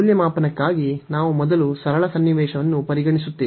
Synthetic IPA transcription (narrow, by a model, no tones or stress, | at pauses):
uljɐmaːpɐnɐkːaːɡinaːʋumɔd̪ɐlusɐɾɐɭɐsɐnːjiʋɛːʃɐʋɐnːupɐɾiɡɐɳisut̪ːeː